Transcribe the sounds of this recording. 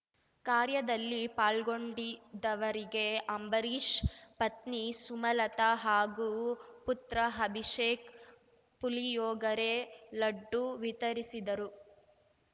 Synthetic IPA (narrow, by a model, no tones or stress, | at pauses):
kaːɾjɐd̪ɐlːipaːlɡoɳɖid̪ɐʋɐɾiɡe̞ɐmbɐɾiːʂpɐt̪nisumɐlɐt̪ɐɦaːɡuput̪ɾɐɦɐbʱiʂeːk | pulijɔːɡɐɾelɐɖːuʋit̪ɐɾisid̪ɐɾu